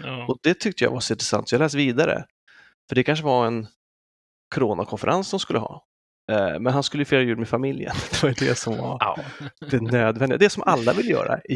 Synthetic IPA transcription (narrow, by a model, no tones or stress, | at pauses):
ɔd̪ɛt̪ʰʏk̚t̪əja̰vasɔɪnt̪ɾɛsa̰nt̪sɔjɑɡlɛːs̬viːd̪aɾə̰ | fœɖɛkʰanʂ̬əvaɛn | kʰɔɾoːnakʰɔnfəɾʔanssɔmskɵlːəɦɑ̰ː | mɛnhanskɵləjʏfeːɾajʉ̟ːd̪mɛfamɪljə̰nd̪̥ɛvajɵd̪ɛsɔmvaɾd̪ɛnøːd̪vɛnd̪ɪɡad̪ɛsɔmʔalːavɪlːəjœ̰ːɾa̰ɪ